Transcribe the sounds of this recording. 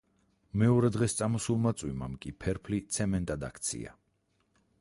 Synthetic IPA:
mɛɔɾɛd̪ʁɛst̪sʼamɔsulˠmat̪sʼwima̰mkʼipʰɛɾpʰlit̪sʰɛmɛnt̪ʼad̪a̰kʰt̪sʰḭa̰

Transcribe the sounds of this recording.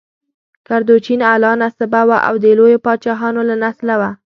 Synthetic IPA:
kaɾd̪ot͡ʃinalɑnasabawaʔa̰wd̪əlojopɑt͡ʃɑɦɑnolanaslawa

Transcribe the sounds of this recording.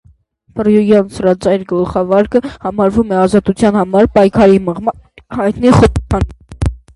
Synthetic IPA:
pʰərjujɑnsɾɑt͡sɑjɾɡəlχɑvɑɾkəhɑmɑɾvumɛɑzɑt̪ut͡sʰjɑn̪hɑmɑɾpɑjkʰɑɾiməʁm | hɑjt̪niχɔɑn

